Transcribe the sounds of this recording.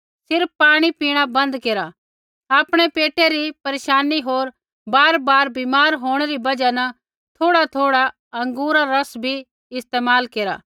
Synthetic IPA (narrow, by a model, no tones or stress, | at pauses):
sɪɾpːaːɽ̃ipiːɽ̃abɐ̃nd̪keːɾa | aːpɽ̃epeːʈʰeɾipɐɾeːʃaːniɦoːɾ | baːɾbaːɾbimaːɾɦoːɽ̃eɾibɐd͡ʒanɐ | t̪ʰoːɽat̪ʰoːɽa | ɐ̃ŋɡuːɾaɾɐsbʱi | ɪst̪eːmaːlkeːɾa̰ː